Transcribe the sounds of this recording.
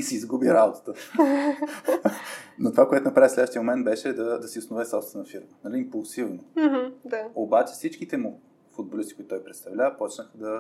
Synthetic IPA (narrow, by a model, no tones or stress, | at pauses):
isiːzɡubiɾad̪ot̪t̪ə | not̪ovakoɛt̪onɐpɾavislɛd̪əʃt̪iəmomɛnd̪̚bɛʃɛd̪ɐd̪ɐsiʊsnovɛsɔst̪nɐfiɾmənɐliːmpulˠsivnoɦ̩d̪aobat͡ʃɛ̥fsit͡ʃkit̪ɛmu | fud̪̚bolist̪ikoʊit̪ːt̪ɔjpɾɛt̪st̪ɐvlʲaəpɔt͡ʃnəxəd̪ɐ